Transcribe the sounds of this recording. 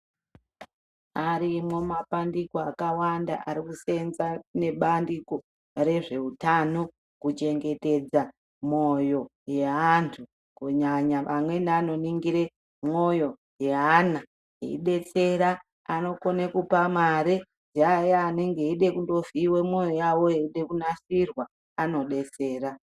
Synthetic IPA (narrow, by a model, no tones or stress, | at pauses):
aɾimo̞mapandikoakawanda̰ʔaɾikusenzane̞ɓandiko | re̞ʐe̞utano̞ | kut͡ʃe̞ŋɡe̞te̞d͡za | mo̞jo̞ | je̞ɦantʰu | kuɲaɲaamwe̞nano̞niŋɡiɾe | mo̞jo̞ | jeɦana | ḛḭɗe̞t͡se̞ɾa | ano̞konekupamaɾe | d͡ʒajaːne̞ŋɡe̞iɗe̞kundo̞viwemo̞jojawo̞eiɗe̞kunasirwa | ano̞ɗe̞t͡se̞ːɾa